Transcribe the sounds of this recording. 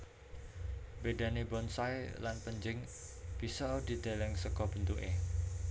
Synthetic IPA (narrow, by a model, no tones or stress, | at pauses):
beda̤nebɔnsajlanpəɲd͡ʒɪŋ | b̥isɔdi̤d̪e̤lɛŋsəkɔb̥ənt̪uʔe